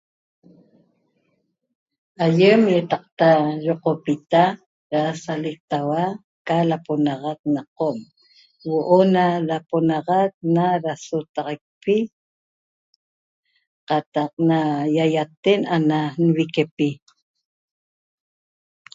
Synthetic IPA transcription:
ʔajemjet̪ɑq̚t̪ajoqopit̪a | ɾasalik̚t̪awa | kalaponɑʁɑk̚nɑqom | woʔonalaponɑʁɑk̚naɾasot̪ɑʁɑk̚pi | qɑt̪ɑq̚najajat̪enananwikepi

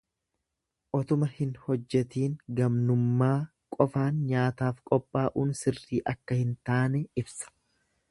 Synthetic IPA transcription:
ʔɔt̪ʊmɐhɪnhɔd͡ʒːɛt̪iːŋɡɐmnʊmːaː | kʼɔfaːnɲaːt̪aːfkʼɔpʼːaːʔuːnsɪrːiːʔɐkːɐhɪnt̪aːnɛɪbsɐ̥

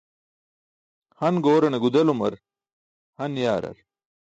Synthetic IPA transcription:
hɐnɡoːɾɐneɡud̪ɐlumɐɾ | hɐnjaːɾɐ̰ɾ

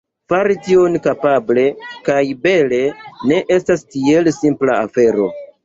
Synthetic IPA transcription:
faɾitio̞nkapable̞kajbe̞le̞ne̞ʔe̞stastie̞lsimplaafe̞ɾo̞̰

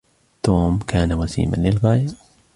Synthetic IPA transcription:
t̪oːmkʰaːnawasḭːma̰nlɪlɣaːjɪɾ

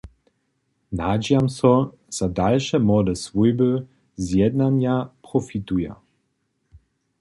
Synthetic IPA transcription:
nad͡ʒjamsɔ | z̥adalʃɛmɔdɛsvujbə | zjɛd̪nanjapʁɔfit̪uja̰

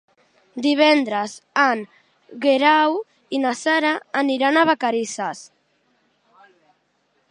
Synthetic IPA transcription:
d̪iβ̞ɛnd̪ɾəzan | ɣeɾaw | inasaɾaːniɾanaβakaɾisas

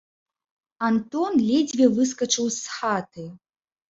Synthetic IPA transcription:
ant̪ɔnlʲɛd͡zʲvʲɛvɨskɐt͡ʂɨwsxat̪ɨ

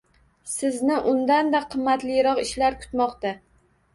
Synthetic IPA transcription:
sɪznɪʔʊnd̪and̪aqʰɨmːat̪lɪjɾɒqɪʃlaɾkʰʊ̥t̪mɒqt̪a

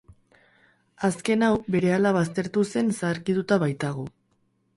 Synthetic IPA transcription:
aske̞nawbe̞ɾe̞alaβ̞ast̪e̞ɾt̪use̞nsaɾkit̪ut̪aβajt̪aɣo̞

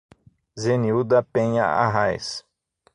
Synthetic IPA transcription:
zeniud̪ɐpẽɲɐa̰ɦajs

